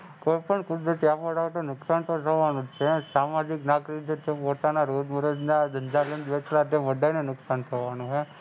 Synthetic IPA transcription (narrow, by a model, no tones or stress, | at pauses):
koːjpəɳkʊd̪ɾət̪iapəɽaʋʈ̪onʊksant̪ʰot̪ʰəʋanut͡ʃesamad͡ʒiknaːkɾikd͡ʒet̪epoːt̪anaɾod̪məɾəd͡ʒnad̪ənd͡ʒalend͡ʒ̪ʋet͡ʃlat̪eʋəɖʱajnenʊksant̪ʰəʋanuɦe